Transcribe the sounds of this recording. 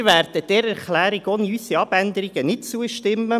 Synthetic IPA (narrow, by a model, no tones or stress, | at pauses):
ʋæɾd̥əd̥ɛɾæɾχlæːɾiɡoːniysiɑb̥ænd̪əɾiɡ̥ənɪt̚t͡suəʃtɪmːə